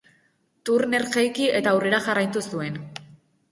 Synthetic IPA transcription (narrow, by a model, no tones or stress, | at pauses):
t̪uɾne̞ɾɣejkie̞t̪aːwre̞ɾaʝarajt̪usue̞n